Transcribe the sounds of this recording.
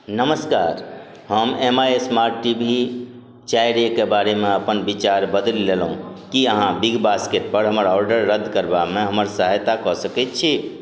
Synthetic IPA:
nəməskaːɾ | ɦəmemaesmaɾʈːibʱi | t͡ʃaiɾekebaɾemẽəpənbit͡ʃaɾbəd̪əlːelɦũkiəɦãbiɡbaskeʈ̚pəɾɦəməɾɔːɾɖəɾːəd̪ʱkəɾbamẽɦəməɾsəɦajt̪akɔsəkɛt̪̚t͡ʃʰi

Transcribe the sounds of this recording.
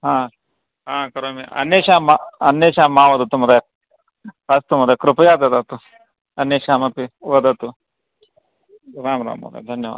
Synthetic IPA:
ɦãː | ɦãːkɐɾoːmeɐ̰nːeːʃaːmaɐnːeːʃaːmːaːʋɐd̪ɐt̪ːumɐd̪ɐj | ɐst̪umɐd̪ɐkɾupɐjaːd̪ɐd̪ɐt̪u | ɐnːeːʃaːmɐpioːd̪ɐt̪u | ɾaːmɾa̰ːmɐ̰ːd̪ɐ̰d̪ʱɐnjɐʋa̰ːd̪

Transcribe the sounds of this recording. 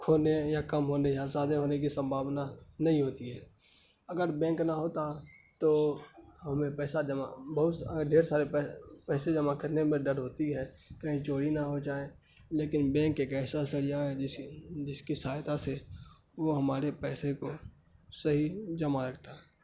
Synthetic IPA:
kʰoːnejakəmɦoːnejasaːd̪ʱẽɦoːnek̬isə̃mbʱaːʋnanɐɦĩɦoːt̪iɦɛː | ɐɡəɾbɛ̃ːŋknaɦoːt̪at̪o | ɦɐmẽpɛːsad͡ʒəma̰bɐɦʊt̪ɖʱeːɾsaːɾepɛpɛːsed͡ʒəmakəɾnemẽɖəɽɦoːt̪iɦɛ̃ː | kəɦĩt͡ʃoːɽinaɦod͡ʒaːe | leːkɪnbɛ̃ːŋkeːkɛːsasəɾijaɦɛɪd͡ʒɪskisaːjt̪ase | ʋoɦɐmaːɾepɛːseko | sɐɦid͡ʒɐmaɾɐkʰt̪aɦɛː

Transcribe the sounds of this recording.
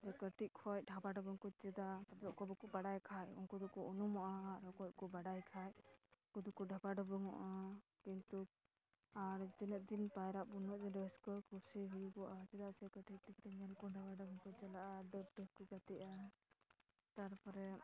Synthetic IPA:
d͡ʒɛkəʈʰic̚kʰɔj̚ɖʱabaɖɔbɔŋkɔt͡ʃɛd̪at̪ablɔʔkɔbɔkɔbaɽajkʰajɔ̰ŋkɔd̪ukɔunumɔʔaaɾɔkɔj̚kɔbaɖajkʰajkud̪ukɔɖʱabaɖɔbɔŋɔʔakint̪u | aɾd͡ʒɛnət̪̚d̪inpajɾaʔbunɔʔd͡ʒɛɖəskɔkʰusiɦujubɔʔat͡ʃɛd̪aʔsɛkəʈit̚ʈʰikt̪ɛmɛlkɔɖʱabaɖɔbɔŋkɔt͡ʃɛlaʔaɖəb̚ɖəskɔɡat̪ɛʔa | t̪aɾpɔɾɛ

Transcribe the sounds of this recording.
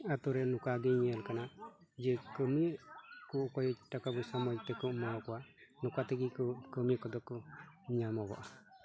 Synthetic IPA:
at̪uɾenukaɡiɲalkanad͡ʒekəmikukɔjtakabusamɔjt̪ɛkɔmaɔkuanukateɡikukəmikɔd̪ɔkuɲamɔbɔ̰

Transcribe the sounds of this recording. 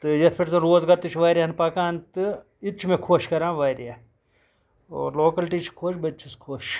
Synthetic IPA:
t̪ɨjɐt̪ʰpʰeʈzɐnɾoːzɡɐɾt̪ut͡ʃʰʋaːɾʲjɐnpɐkaːnt̪ɨ | it͡ʃʰmẽkʰoːʃkɐɾãːʋɐjɾe | o̰ːɾloːkɐlʈit͡ʃʰi̥kʰoːʃbɐt͡ʃʰiskʰoːʃ

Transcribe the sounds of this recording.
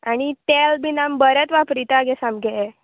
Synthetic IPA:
aɽ̃it̪ɛlbinambəɾət̪ʋapɾit̪aɡɛsamɡʱɛɛ

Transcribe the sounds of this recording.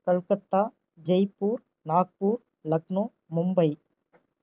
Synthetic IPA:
kɐɭkɐt̪ːaː | d͡ʒɐjpːuːɾ | naːk̚puːɾ | lɐknoː | mʊmbɐɪ

